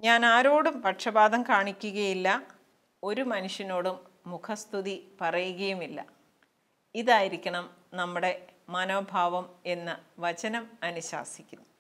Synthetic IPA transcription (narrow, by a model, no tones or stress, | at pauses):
ɲaːnaːɾo̞ːɽumpɐʈʂɐbaːd̪ʱɐmkaːɳikʲːuɣɐjilːɐ | o̞ɾumɐnuʂjɐno̞ːɽumː | ukʰɐst̪ʰuðipɐrɐjuɣɐjumilːɐ̰ | iðaːjiɾikʲːɐɳɐmnɐmːuɽe̞mɐno̞ːbʱaːʋɐme̞nːɨʋɐt͡ɕɐnɐmɐnuɕa̰ːsikʲːunːu